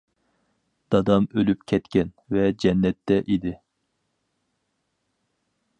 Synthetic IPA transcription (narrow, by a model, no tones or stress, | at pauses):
d̪̥ɑd̪ɑmølypkʲʰɛt̪kʲɛn | vɛd͡ʒɛnːɛt̪ʰːɛʔid̪ɪ